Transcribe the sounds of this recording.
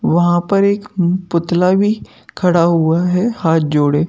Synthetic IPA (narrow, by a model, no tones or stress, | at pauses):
ʋɐɦãpɐɾeːkpʊt̪labʱi | kʰɐɽaɦuaɦɛhaːt̪̚d͡ʒoːɽeː